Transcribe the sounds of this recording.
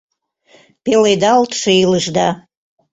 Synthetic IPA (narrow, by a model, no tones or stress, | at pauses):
pelejd̪ɑlt̪ʃeiləʒd̪ɑ